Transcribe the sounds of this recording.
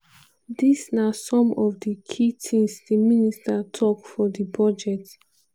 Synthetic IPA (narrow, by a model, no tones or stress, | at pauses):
disnasɔ̃mɔfdəkʰitʰĩmsdəministatʰɔkfɔdibɔd͡ʒɛt